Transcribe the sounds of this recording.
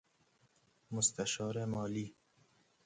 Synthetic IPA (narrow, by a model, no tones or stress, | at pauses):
mʊst̪aʃɑːɾemɔːli